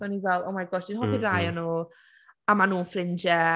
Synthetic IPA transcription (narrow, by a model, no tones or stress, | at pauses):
ɔnivɛlˠɔ̰majɡɔsd̥inɦɔbirajɔnu | amanuːnfrɪnd͡ʒɛ